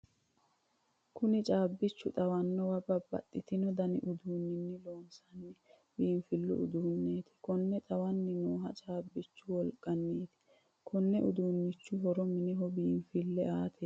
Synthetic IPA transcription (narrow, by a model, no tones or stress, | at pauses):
kʊnɪt͡ʃʼaːbːɪt͡ʃːʊt̪ʼɐwɐnːɔwɐbɐbɐ̰t̪ʼːɪt̪ɪnɔd̪ɐnɪ̰ʔʊd̪uːnːɪnːɪloːnsɐnːɪ | biːmfɪlːʊ̰ʊ̰d̪uːnːeːt̪ʰɪ̥kɔnːɛt̪ʼɐwɐnːɪnuːɦɐt͡ʃʼaːbːɪt͡ʃːʊwɔlkʼːɐnːeːt̪ɪ̥ | kʰɔnːɛʔʊd̪uːnːɪt͡ʃːʊɦɔɾɔmɪnɪɦɔbiːmfɪlːɛʔaːt̪ʰe